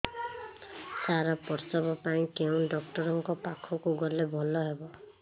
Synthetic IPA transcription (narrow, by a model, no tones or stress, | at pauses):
saɾɔpɔɾsɔbɔpaĩkeũɖɔk̚ʈɔɾɔŋkɔpakʰɔkuɡɔlebʱɔlɔɦebɔ